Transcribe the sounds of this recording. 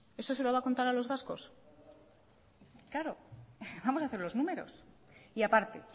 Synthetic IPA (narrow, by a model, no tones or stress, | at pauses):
e̞so̞se̞loβako̞nt̪aɾalo̞zβasko̞s | klaɾobamo̞saθe̞ɾlo̞znũme̞ɾo̞̰siapaɾt̪e̞̰